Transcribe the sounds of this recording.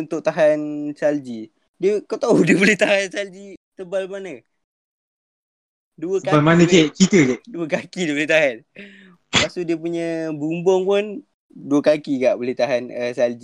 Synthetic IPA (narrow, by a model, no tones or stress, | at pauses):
unt̪ʊʔ̚t̪aɦansald͡ʒi | diəkət̪audiəboleht̪aɦansald͡ʒit̪əbalmanə | duəaalmanə̃et͡ʃit̪əkɛduəkakidiəboleht̪aɦan | pasudiəp̬uɲəbumbɔŋpʊn | duəkakiɡaʔboleht̪aɦanəsald͡ʒi